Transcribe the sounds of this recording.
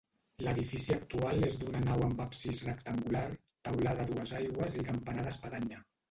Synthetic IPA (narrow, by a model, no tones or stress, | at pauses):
ləðifisiakt̪ualezd̪unənawəmbapsizrəkt̪əŋɡular | t̪awlaðəðuəzajɣwəzikampanaðəspaðaɲə